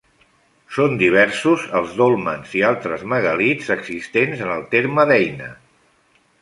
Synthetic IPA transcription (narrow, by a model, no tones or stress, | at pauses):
sond̪iβ̞ɛɾsuzəlˠzðolˠmənzialˠt̪ɾəzməɣəlid͡zəɡz̥ist̪enzənəlˠt̪eɾməðɛjnə